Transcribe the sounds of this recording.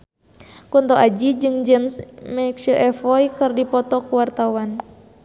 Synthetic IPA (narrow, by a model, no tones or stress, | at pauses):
kunt̪ɔʔad͡ʒid͡ʒɨŋd͡ʒɛmsmɛkʃəʔɛfɔjkɨrdipɔt̪ɔkuwart̪awan